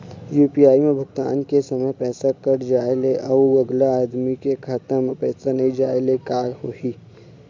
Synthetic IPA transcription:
juːpiaːimẽbʱʊɡt̪a̰ːnkesɐməjpɛːsakɐɾd͡ʒaːeleʔɐɐɡlaaːd̪mikekʰaːt̪ãmẽpɛːsanɐɦĩd͡ʒaːelekaːɾhoːɦiː

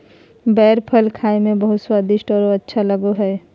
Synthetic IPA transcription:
bɛːɾpʰəlkʰaːimẽbəɦʊt̪swaːd̪ɪʃʈɔːɾətːʃʰaləɡoɦɛː

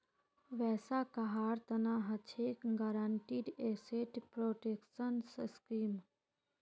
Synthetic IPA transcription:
ʋɛːsakɐɦaːɾt̪ɐnaɦɐt͡ʃʰekɡaɾaɳʈiːɖeːseːʈpɾoːʈeːkʃənsskiːm

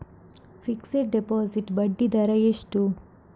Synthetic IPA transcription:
fikseʈ̚ɖepoːziʈbɐɖːid̪ɐɾɐeʂʈu

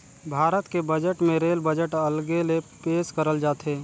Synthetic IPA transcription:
bʱaːɾət̪kebəd͡ʒəʈmẽɾeːlbəd͡ʒəʈəlɡelepeːskəɾəld͡ʒaːt̪ɦeː

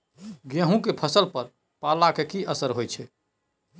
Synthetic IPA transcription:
ɡeɦũkepʰəsəlpəɾ | palakekiʔəsəɾɦojt͡ʃʰɛ

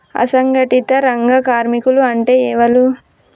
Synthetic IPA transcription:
ɐ̰sɐŋɡɐʈit̪ɐɾɐŋɡɐkaːɾmikuluɐɳʈeːɛːʋɐlu

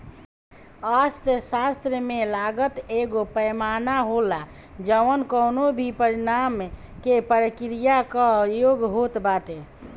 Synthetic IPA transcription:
ast̪əsast̪ɾəmelaɡət̪eɡopəjmanaɦola | d͡ʒəʋənkəʊnobʱipəɾinam | kepəɾəkɾijakəjoɡɦot̪baʈe

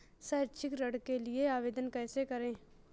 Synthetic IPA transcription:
sɐːt͡ʃʰɪkɾɐɽkelɪeaːʋeːd̪ənkɛːsekɐɾẽː

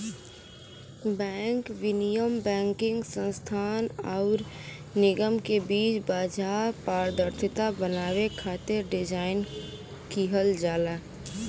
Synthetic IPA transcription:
bɛ̃ːŋkʋɪnijəmbɛ̃ːŋkɪ̃ŋɡsə̃nst̪ʰaːnɔːɾnɪɡəmkebiːt͡ʃbaːd͡ʒaːpaːɾd̪əɾt̪ʰɪt̪abənaːwekʰaːt̪ɪɾɖɪd͡ʒaːɪn | kiɦəld͡ʒaːlaː

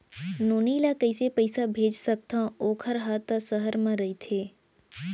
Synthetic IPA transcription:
noːniːlakəɪsepəɪsabʱeːd͡ʒsək̚t̪ãoːkʰəɾɦat̪səɦəɾmãɾəit̪ʰeː

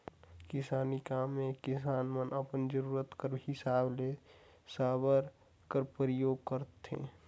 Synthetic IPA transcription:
kɪsaːnikaːmːekɪsaːnmənʔəpənd͡ʒəɾuːɾət̪kəɾɦɪsaːble | saːbəɾ | kəɾpəɾəjoːɡ̚kəɾt̪ḛ̃ː

